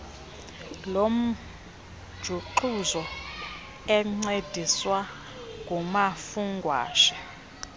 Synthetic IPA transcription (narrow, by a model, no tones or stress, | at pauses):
lom̩ | d̥ʒ̥ʱuǃuzɔ | ɛŋ͡ǀed̥ʱiswa | ŋɡʱumafuŋɡʱwa̰ːʃɛ̥